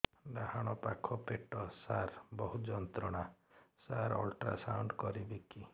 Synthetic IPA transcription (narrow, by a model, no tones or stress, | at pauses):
ɾahaɽ̃ɔpakʰɔpeʈɔsaɾbɔɦud͡ʒɔnt̪ɾɔɽ̃asaɾɔlʈɾa̰sawɳɖkɔɾibeki